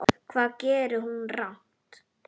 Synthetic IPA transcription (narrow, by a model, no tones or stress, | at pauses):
ɔkʰvaːðcɛːɾɪhunrawn̥ | t̪